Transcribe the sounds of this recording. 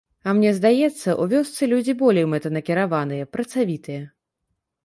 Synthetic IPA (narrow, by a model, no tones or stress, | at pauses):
ɐmnʲɛzd̪ajɛt̪sːɐʔuvʲɔst̪sɨlʲud͡zʲibɔlʲejmɛt̪ɐnɐkʲiɾavanɨjɐpɾɐt̪savʲit̪ɨjɐ